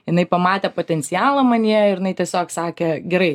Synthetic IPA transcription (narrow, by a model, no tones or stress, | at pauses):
jɪnɐɪpɐmɑːt̪ʲɛpoːt̪ʲɛnʲt͡ssʲɪjɑːlˠɐmɐnʲiɛɪɾjɪnɐɪt̪ʲiɛsʲoːksɑːkʲeɡʲɛɾɐɪ